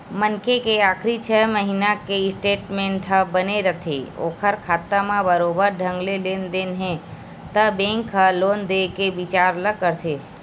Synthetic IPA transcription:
mənkekeaːkʰɾit͡ʃʰəɦməɦinakeɪsʈeːʈmẽɳʈɦəbəneɾət̪ʰḛo̰ːkʰəɾkʰaːt̪amãbəɾobəɾɖʱə̃ŋɡlelend̪eːnɦẽ | t̪əbẽŋkɦəloːnd̪ekeʋɪt͡ʃaːɾləkəɾt̪ʰe

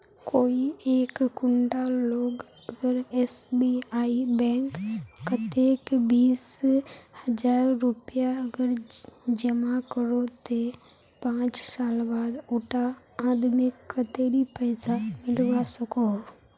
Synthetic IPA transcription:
koːieːkːʊɳɖaloːɡ | əɡəɾesbiaːibɛ̃ːŋkːɐt̪ekbiːshəd͡ʒaːɾːupɪjaɐɡəɾd͡ʒɐmakəɾot̪e | pãːt͡ʃsaːlbaːd̪oːʈãː | d̪mɪkkːət̪eːɾipəɪsamɪlʋasɐko

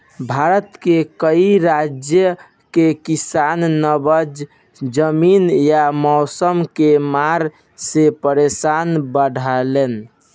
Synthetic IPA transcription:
bʱaɾət̪kekəiɾad͡ʒjə | kekisanːəbəd͡ʒ | d͡ʒəminjamɔʊsəmkemaɾ | sepəɾesanbəɽʱalen

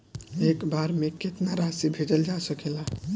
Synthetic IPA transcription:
ekbaɾmeket̪naɾasibʱed͡ʒəld͡ʒasəkela

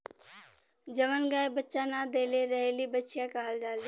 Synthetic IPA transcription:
d͡ʒəʋənɡaːjbətːʃanad̪eːleɾəɦelibətːʃijakaɦəld͡ʒaːle

